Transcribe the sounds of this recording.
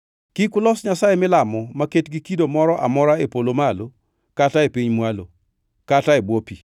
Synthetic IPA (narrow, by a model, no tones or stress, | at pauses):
kikʊlɔsɲasajemɪlamɔmaketɡikidomɔɾɔʔa̰mɔɾaepolomalo | kataepiɲmwalo | kataebwopi